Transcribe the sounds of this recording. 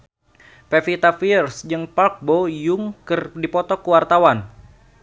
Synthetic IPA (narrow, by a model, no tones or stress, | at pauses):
pefit̪afirsd͡ʒɨŋpalk̚bojuŋkɨrdipɔt̪ɔkːuwart̪awan